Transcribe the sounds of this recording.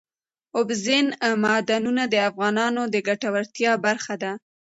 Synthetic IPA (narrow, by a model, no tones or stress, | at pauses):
ʊbzɪnmɑd̪anunad̪əafɣɑnɑnod̪əɡaʈawaɾt̪jɑbaɾxad̪a